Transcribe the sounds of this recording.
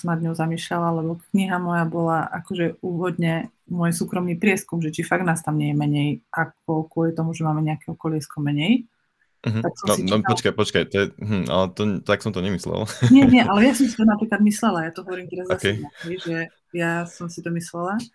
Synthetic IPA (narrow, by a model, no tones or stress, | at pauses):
sɔmnad̪ɲɔʊzamiːʃlalalɛbɔkɲiɦamɔjabɔlaʔakɔʒɛuːʋɔd̪ɲɛmʊɔjsuːkɾɔmniːpɾɪɛskumʒɛt͡ʃifaɡnaːst̪amɲɛjɛmɛɲɛjʔak̚ɔkwʊɔlit̪ɔmuʒɛmaːmɛɲɛakɛɔkɔlɪɛskɔmɛɲɛj̩ | ɦt̪aksɔmɔsinɔpɔt͡ʃkajpɔt͡ʃkajt̪ɔjɛɦ̩a̰lɛt̪ɔt̪aksɔ̃mt̪ɔɲɛmislɛ̰lˠɲɛɲɛʔalɛjasɔmsit̪ɔnapɾiːklad̪mislɛlajat̪ɔɦɔʋɔɾiːmt̪ɛɾazaskɛaɦɛjʒɛ | jasɔmsit̪ɔmislɛla